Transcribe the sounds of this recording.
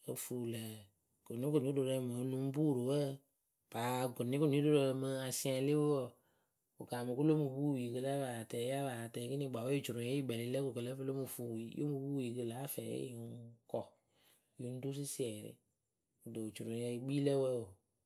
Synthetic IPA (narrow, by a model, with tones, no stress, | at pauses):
o̰˨fu˨lɛ˨ | ko˨nĩ˦ko˨ni˨˦o˦do˨ɾɛ˨me˨˦nũ˦bu˦˨ɾo˨wɛ˦ | b̥a˨ko˨nĩ˦ko˨n˨˦do˦ɾo˨ɛ˨mə˦a˨sĩ˦ã˨˦li˦wɔ˨ | o˨ka˨mu˨ko˦lo˦mu˨bu˦˨i˨ke˧la˦ba˨tɛ˨˦a˦ba˨tɛ˨˦ki˦nĩ˦˨ɡ͡ba˨wɛ˦i˦t͡ʃu˨ɾũ˨˦ɛ˦i˦ɡ͡bɛ˨li˨˦lɛ˦ko˨kə˨lɛ˦fo˦lo˦mu˨fu˨wi˨˦jʔo̰˦mu˨bu˦ji˨kə˨la˨˦fɛ˨jḛ˦˨˦kɔ˨ | ju˨n˦du˦s̬i˦si˦ɛ˨ɾɪ̰˨˦ | u˨do˨t͡ʃu˨ɾũ˨jɛ˧˦i˦ɡ͡bi˦lɛ˦wɛ˦˨o˨